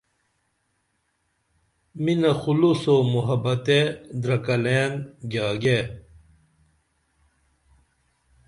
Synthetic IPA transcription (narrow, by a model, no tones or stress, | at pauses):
minɐxulusomuɦɐbɐt̪ed̪ɾɐkɐleːnɡaːɡe